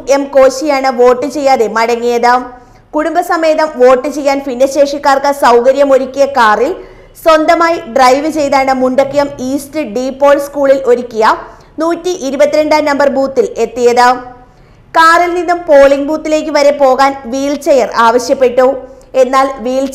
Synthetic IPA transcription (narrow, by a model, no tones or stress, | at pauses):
emko̞ːɕijaːɳɨʋo̞ːʈːɨt͡ɕe̞jːaːðe̞mɐɽɐŋːijɐðɨ | kuɽumbɐsɐme̞ːðɐmʋo̞ːʈːɨt͡ɕe̞jːaːnfinːɐɕe̞ːʂikːaːrkɨsɐwkɐɾjɐmo̞ɾukʲːijɐkaːril | swond̪ɐmaːjiɖrɐjʋɨt͡ɕe̞jt̪aːɳɨmuɳɖɐkːijɐmiːstɨɖiːpːo̞ːɭskuːɭilo̞ɾukʲːijɐ | nuːtːiʔiɾubɐt̪ːiɾe̞ɳɖaːnɐmbɐrbuːt̪ːile̞t̪ːijɐðɨ | kaːrilninːumpo̞ːɭiŋbuːt̪ːile̞ːk̬ʲːɨʋɐɾe̞po̞ːɣaːnʋiːlt͡ɕejɐraːʋɐɕjɐpːe̞ʈːu | e̞nːaːlʋiːl